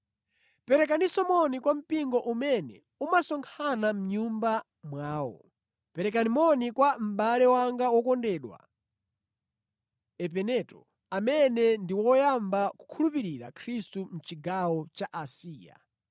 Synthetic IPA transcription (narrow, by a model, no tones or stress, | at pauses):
pɛɾɛk̬anisɔmɔnikwam̩piŋɡɔʔumɛnɛ | umasɔŋkʰanam̩ɲumba | mwaːwɔ̰ | pɛɾɛkanimɔnikwam̩ɓalɛwaŋɡawɔkɔndɛːɗwa̰ | ɛp̬ɛnɛtɔ | amɛnɛndiwɔjambaku̥kʰulupiɾiɾa̰kʰɾistum̩t͡ʃiɡawɔt͡ʃaʔasiːja̰